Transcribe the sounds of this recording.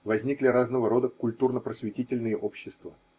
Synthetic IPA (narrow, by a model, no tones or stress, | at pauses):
vɐzʲnʲiklʲɪɾaznəvəɾo̞d̪əkʊlʲt̪urnəpɾəsvʲɪtʲitʲɪlʲnɨjəʔopɕːɪst̪və